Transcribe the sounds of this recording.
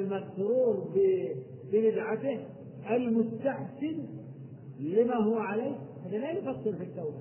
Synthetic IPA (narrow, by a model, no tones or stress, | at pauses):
lmatːɾuːɾbɪ | bɪbɪd̪ʕat̪ɪh | ʔalmʊst̪aħsɪn | lɪmaɦʊwːaʕaleːkhanːalajfɑsˤːɨlfɪt̪ːaw